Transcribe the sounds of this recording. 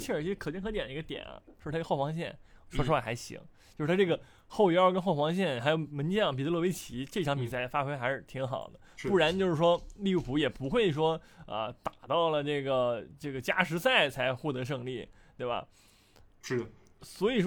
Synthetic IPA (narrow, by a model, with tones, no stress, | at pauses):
t͡ɕʰɛ˥˩˨kʰt͡ɕɛ˥ŋxʰt̪ɛ˨˩nd̪ə˧˥ɡə˧t̪jɛ̰˨˩nɐ̰˦o˥˧ɻʰxfɑ˧˥ŋɕ̬jɛ˥˩n˩ʂwɔ˥ɻ̩˥wa˥˩xa˧˥ɪɕḭ˧˥ŋt͡ɕjo˥˧ɻ̩ʰ˥˧˩a˥ʈ͡ʂɡə˩ | xo˥˩ʊjɑ˥kə˥nxo˥˩ʊfɑ˧˥ŋɕ̬jɛ˥˩nxa˧˥ɪjo˧ʊmə˧˥nt͡ɕjɑ˥˩ŋpi˨˩t͡ɕlwwe˥ɪt͡ɕʰi˧˥ʈ͡ʂɤ˥˩ʈ͡ʂʰŋpi˨˩sa˥˩ɪfa˥xwe˥ɪxa˧˥ɪʂɻ̩˥˧˩t̪ʰi˧˥ŋxɑ̰˨˩ʊd̪ə˦pu˥˩ɻa˧˥nt͡ɕjo˥˧ʊʂɻ̩˥˩ʂwɔ˥li˥˧u˥˩pʰu˧˥jɛ˨˩pu˧˥xwe˥˩ɪʂ̬wɔ˥ə̰˧t̪a˨˩t̪ɑ˥˩ʊlə˩ʈ͡ʂɤ˥˩ɡə˩ʈ͡ʂɤ˥˩ɡə˩t͡ɕja̰˥ʂɻ̩˧˥sa˥˩ɪt͡sʰa˧˥ɪxwɔ˥˩t̪ɤ˧˥ʂ̬ɤ˥˧ŋli˥˩t̪we˥˩ɪbɐ̰˩˥˩ | swɔ˧˥i˨˩ʂ